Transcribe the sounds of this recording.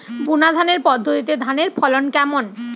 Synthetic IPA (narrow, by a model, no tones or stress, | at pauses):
bunad̪ʱaneɾpɔd̪ʱːot̪it̪ed̪ʱaneɾpʰɔlonkɛmon